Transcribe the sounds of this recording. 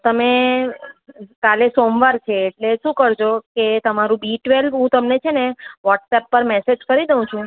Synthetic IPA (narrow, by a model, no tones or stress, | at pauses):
t̪əme | kalesomʋaɾt͡ʃʰeːʈleʃũkəɾd͡ʒoket̪əmaɾũbiʈʋelbɦũt̪əmnet͡ʃʰeneʋɔʈsɛpːəɾmɛsed͡ʒkəɾid̪əũt͡ʃʰũ